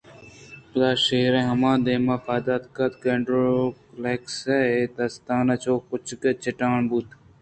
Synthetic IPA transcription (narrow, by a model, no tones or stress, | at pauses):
d̪aːʃeːɾẽɦɐmãːd̪eːmaːfaːd̪at̪kɐt̪keɳɖɾoplekseet̪ɐst̪aːnɐt͡ʃʰoːkʊt͡ʃket͡ʃɪʈaːɳbut̪